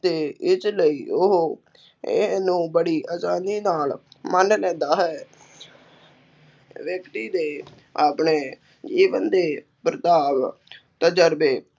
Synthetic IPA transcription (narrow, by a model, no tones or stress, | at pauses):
d̪eːɪt͡ʃləiːʊɦo | ɪ̰nũːbəɽiːʔəsaːniːnaːlmənneːd̪aːɦɛː | ʋjəkt̪iːd̪eː | aːpɳeː | d͡ʒiːʋənd̪eː | pɾət̪aːʋ | t̪əd͡ʒəɾbeː